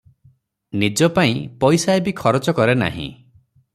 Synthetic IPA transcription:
nid͡ʒɔpaĩpɔjsaebikʰɔɾɔt͡ʃɔkɔɾena̰ɦḭ̃

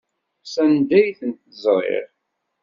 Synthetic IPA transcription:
sænd̪æjθənt̪əzˤɾˤḛɾ

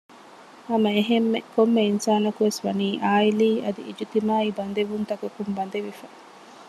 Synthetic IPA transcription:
ɐmɐeɦemːekomːeinsaːnɐkuʋesʋɐniːʔaːiliːɐd̪ḭʔid͡ʒit̪imaːibɐnd̪eʋunt̪ɐkɐkumbɐnd̪eʋifɐ

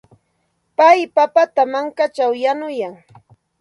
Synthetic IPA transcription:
pajpapat̪amaŋkat͡ʃawjanʊjaŋ

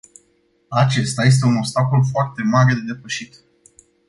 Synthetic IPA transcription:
at͡ʃe̞st̪aje̞s̬t̪e̞uno̞pst̪ako̞lfoart̪e̞maɾe̞d̪e̞d̪e̞pəʃit̪

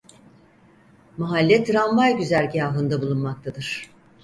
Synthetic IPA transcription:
maɦalʲːɛt̪ʰɾanvajɟyzælʲɟiaːɦɯnd̪abulˠunmak̚t̪ʰad̪ɯɾ̝̥

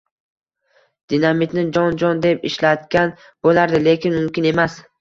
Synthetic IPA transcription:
d̪̥inamit̪nɪd͡ʒɒnd͡ʒɒnd̪e̞pɪʃlat̪ɡʲan | b̥olaɾd̪ɪle̞kʲɪnmʊmkʲɪne̞mas

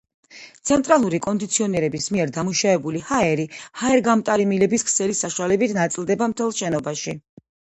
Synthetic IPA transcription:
t̪sʰɛnt̪ʼɾalˠuɾikʼɔnd̪it̪sʰiɔnɛɾɛbismiɛɾd̪amuʃavɛbulihaɛɾihaɛɾɡamt̪ʼaɾimilɛbiskʰsɛlisaʃuwalɛbit̪ʰnat̪sʼilˠd̪ɛbamt̪ʰɛlˠʃɛnɔbaʃi

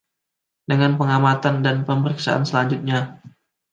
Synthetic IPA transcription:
dəŋanpəŋamat̪andanpəməɾiksa̰ʔa̰nsəlaɲd͡ʒʊt̪̚ɲa

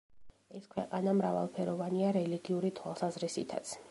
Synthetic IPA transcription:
ɛskʰwɛqʼanamɾava̰lˠpʰɛɾɔvaniaɾɛliɡiuɾit̪ʰwa̰lˠsazɾisḭt̪ʰa̰t̪sʰ

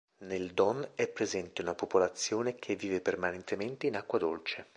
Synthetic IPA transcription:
neld̪ɔnɛpːɾezɛnt̪eunapopolat̪sːjoːnek̟ʰevːiːvepermanent̪ement̪einakːwad̪olt͡ʃe

